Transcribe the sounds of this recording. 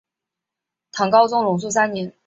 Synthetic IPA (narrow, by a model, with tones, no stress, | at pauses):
t̪ʰɑ˧˥ŋkɑ˥ʊt͡sʊ˥ŋlʊ˨˧˥ŋs̬u˥˩sa˥nnɛ˧˥n